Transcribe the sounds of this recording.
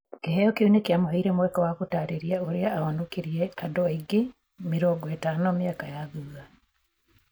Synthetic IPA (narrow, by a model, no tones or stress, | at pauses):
keɦejokiinekjamoɦeiɾemwɛkɔwakutaːɾeɾiaoɾiaːanokiɾieadoiɡi | miɾoːŋɡɔetaːnomiakajaðua